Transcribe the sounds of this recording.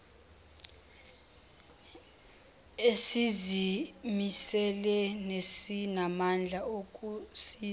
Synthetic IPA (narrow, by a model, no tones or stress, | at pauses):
esizimisɛlɛnesinamand͡ɮʱaokʼusi